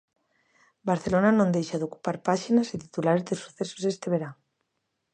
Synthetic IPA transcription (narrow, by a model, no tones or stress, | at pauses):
baɾθelonanõnd̪ejʃaðoku̥paɾpaʃinaset̪i̥t̪ulaɾezd̪esu̥θeso̥zest̪eβeɾaŋ